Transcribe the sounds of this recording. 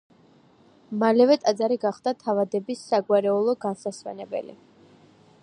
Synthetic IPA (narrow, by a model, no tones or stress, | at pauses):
malɛvɛt̪ʼad̪zaɾiɡaχd̪at̪ʰavad̪ɛbisːaɡwaɾɛulˠɔɡansasvɛ̰nɛbɛ̰lḭ